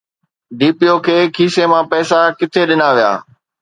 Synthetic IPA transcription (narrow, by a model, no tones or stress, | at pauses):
ɖiːpijokʰeːkʰiːsemãːpɛːsakɪt̪ʰeɗɪnaːʋija̰ː